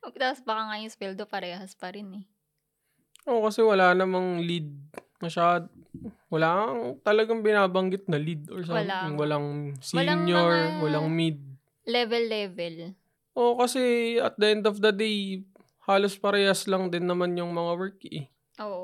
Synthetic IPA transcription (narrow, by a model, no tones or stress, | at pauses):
ʔɐɡt̪aːpsbɐkɐŋajʊŋswɛld̪opɐɾɛːɦɐspɐɾɪnɛ | ʔo̞kɐsɛwɐlaːnɐmaŋlid̪̚mɐʃad̪ | wɐlaːŋt̪ɐlɐɡaŋbɪnaːbɐŋɡɪt̪̚nɐlid̪oɹs̬aɪŋwɐlaŋsiːɲjoɹwɐlaŋmid̪̚ | lɛvɛlːɛvɛl | ʔo̞kɐsɛɐt̪̚d̪ɐʔɛnd̪ofd̪ɐd̪ej | haːlospɐɾɛːhɐslɐŋd̪ɪnːɐmanjʊŋmɐŋawɛɹkɛ | ʔoːʔ